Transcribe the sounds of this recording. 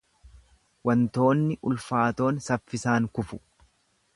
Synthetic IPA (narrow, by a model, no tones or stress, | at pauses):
wɐnt̪o̞ːnːɪʔʊlfaːt̪o̞ːnsɐfːɪsaːŋkʊfʊ̥